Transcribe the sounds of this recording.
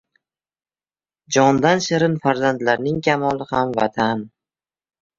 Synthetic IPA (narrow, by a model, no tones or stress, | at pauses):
d͡ʒɒnd̪anʃɪɾɪnfaɾzand̪laɾnɪŋkʲʰamɒlˠɪhamva̰t̪ʰan